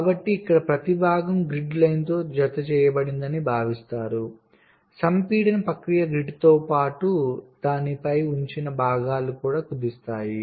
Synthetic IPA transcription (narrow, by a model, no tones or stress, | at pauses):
kaːbɐʈːiːkːɐɽɐpɾɐt̪ibʱaːɡɐmɡɾiɖlɐjnt̪o̞ːd͡ʒɐt̪ɐt͡ʃɛːjɐbɐɽind̪ɐnibʱaːʋist̪aːɾu | sɐmpiːɽɐnpɐkɾijɐɡɾiɖt̪o̞ːpaːʈud̪̥aːnipɐjuɲt͡ʃinɐbʱaːɡaːlukuːɽaːkud̪ist̪aːji